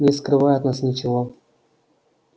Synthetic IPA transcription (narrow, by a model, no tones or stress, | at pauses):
nʲɪskɾɨvajʊt̪nasnʲɪt͡ɕɪvo